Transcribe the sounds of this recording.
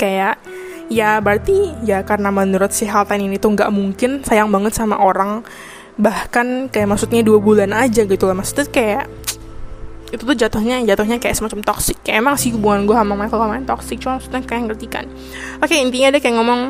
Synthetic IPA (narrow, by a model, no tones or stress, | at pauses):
kajaʔ | jabərt̪ijakarənamənuɾʊt̪̚sɪhalt̪aninit̪uŋɡaʔmuŋkɪnsajaŋbaŋət̪sama̰ʔoɾaŋ | bahkankajaʔmaksʊt̪̚ɲaduabulanad͡ʒaɡit̪ulahmaksʊ̥t̪ɲakajaʔ | it̪ut̪ʊhd͡ʒat̪ʊhɲad͡ʒat̪ʊhɲakajaʔsəmat͡ʃamt̪ɔksɪkːajaemaŋsɪhɡəbuŋanɡuaɦamaŋmakəlkamaɪnt̪ɔksɪk̚t͡ʃumamaksu̥t̪ɲakajaŋərt̪ika̰n | lakajaint̪iɲaːdakajaŋɔmɔŋ